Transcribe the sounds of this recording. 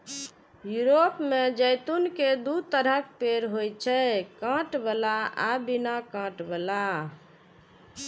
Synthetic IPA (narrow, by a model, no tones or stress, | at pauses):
juɾopmed͡ʒəjt̪unked̪ut̪əɾəkpeɾɦojt͡ʃʰɛkãʈbəlaabinakãʈbəla